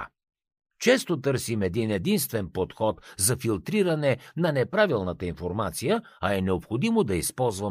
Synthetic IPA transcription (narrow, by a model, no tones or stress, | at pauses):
t͡ʃɛst̪ot̪ɤɾsimɛd̪inɛd̪inst̪vɛnpot̪xɔt̪zɐfilˠt̪ɾiɾɐnɛnɐnɛpɾavilˠnət̪əinfoɾmat̪sijə | ɐɛnɛopxod̪imod̪ɐispɔlˠzvə